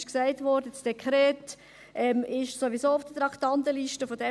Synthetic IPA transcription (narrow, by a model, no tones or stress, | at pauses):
ʃksæɪtʋɔɾdət͡sd̥ekʰχɾɛːt | ʔɛmɪʃsoʋizoːʊfd̥ət̪ɾɑktɑntəliʃtəfodɛ